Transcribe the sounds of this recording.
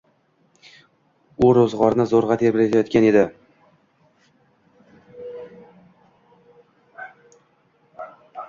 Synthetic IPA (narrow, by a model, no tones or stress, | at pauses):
ʊɾozʁɒɾnɪzoɾʁɑt̪ʰeɾbɪɾet̪ʰajɒt̪kʲane̞d̪ɪ